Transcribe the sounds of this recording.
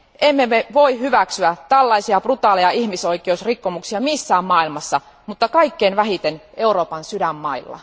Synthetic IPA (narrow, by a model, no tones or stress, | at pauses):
ʔemːemeʋoihyʋæksyæt̪ælːɑisiɑprut̪ɑːleɑihmisoikˑeusrikːomuksiɑmisːæːmmɑːilmɑsːɑ | mut̪ːɑkɑikːeːnʋæhit̪eneuroːpɑnsydæmːɑilːɑ̰